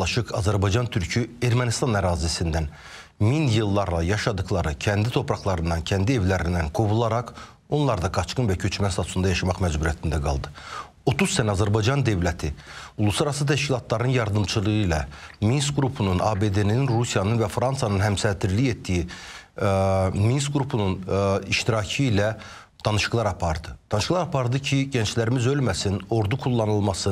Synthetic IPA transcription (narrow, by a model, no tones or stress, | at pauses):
ɑʃɯqɑzæɾbɑjd͡ʒɑnt̪ʰyɾcʰye̞ɾmænist̪ɑnæɾɑːzisind̪æn | minjɯlˠːɑɾlˠɑjɑʃɑd̪ɯχlˠɑɾɯcʰænd̪it̪ʰo̞pʰɾɑχlˠɑɾɯnd̪ɑncʰænd̪ie̞vlæɾind̪ænɡo̞bulˠɑɾɑq | o̞nlˠɑɾd̪ɑɡɑt͡ʃkɯnvæcʰø̞t͡ʃʰmæsɑt̪ʰu̥sund̪ɑjɑʃɑmɑχmæd͡ʒbuɾijæt̪ʰind̪æɡɑ̰lˠd̪ɯ | o̞t̪uz̥sænæɑzæɾbɑjd͡ʒɑnd̪ø̞vlæt̪ʰiulˠusɑɾɑsɯt̪ʰæʃcilˠɑt̪ʰlˠɑɾɯnɯnjɑɾd̪ɯmt͡ʃʰɯlˠɯʁɯilɛminst̪ɡɾupʰununʔɑ̰be̞d̪e̞niinɾusijɑnɯnvæfɾɑnsɑnɯnɦæmsæd̪iɾliçet̪ːiji | minst̪ɡɾupʰununiʃt̪iɾɑcʰɯilæ | d̪̥ɑnɯʃɯqlˠɑɾɑpʰɑɾd̪ɯd̪̥ɑnɯʃɯ̥klˠɑɾɑpʰɑɾd̪ɯcʰiɟænt͡ʃlæɾimizø̞lmæsino̞ɾd̪ukʰulˠːɑnɯlˠmɑsɯ